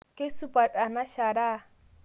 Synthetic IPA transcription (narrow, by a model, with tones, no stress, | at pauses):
kʼɪ˦su˦pʼa˨dʼa˨na˦ʃa˨ɾa˦˨